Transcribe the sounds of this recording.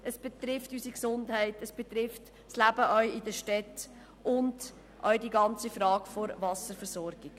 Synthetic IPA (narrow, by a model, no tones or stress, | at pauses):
əsb̥etɾɪftysiksʊndhɛɪtəsb̥et̪ɾɪft | slæbəʔœʏɪdəʃtɛt | ʔʊnd | ʔœ̰ʏdiɡɑnt͡sifɾɑːɡfɔɾvɑsəɾfəɾsɔɾɡ̥ɪɡ̥